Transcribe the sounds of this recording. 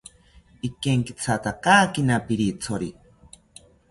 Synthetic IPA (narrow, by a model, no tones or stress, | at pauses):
ikeŋkit͡sʰat̪akaːkinapiɾit͡sʰoɾi